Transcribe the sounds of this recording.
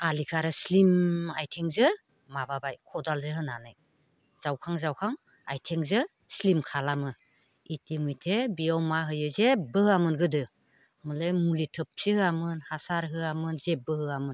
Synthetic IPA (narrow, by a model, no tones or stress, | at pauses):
alikʰaɾɯslimajtʰeŋzɯ | mababajkʰɔdalzɯɦɯnanɯj | z̥awkʰaŋzawkʰaŋ | a̰jtʰeŋzɯ | slimkʰalamɯ | itimujtʰebiawmaɦɯjɯzebɯɦɯamɯnɡɯdɯ | mɯlemulitʰɯp̚sihɯamɯnhasaɾɦɯamɯnzebɯhɯamɯn